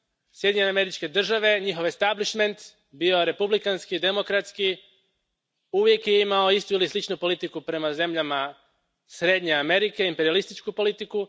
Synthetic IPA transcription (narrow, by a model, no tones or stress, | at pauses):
sjed̪ʲiɲename̞ɾit͡ʃke̞d̪r̩ʒaʋe̞ɲixo̞ʋest̪abliʃme̞nt̪ | bio̞ɾe̞publikanskid̪e̞mo̞kɾat̪ski | uʋje̞kjeimao̞ist̪uilislit͡ʃnupo̞lit̪ikupɾe̞maze̞mʎama | sɾe̞d̪ɲe̞ame̞ɾike̞impeɾialist̪it͡ʃkupo̞lit̪iku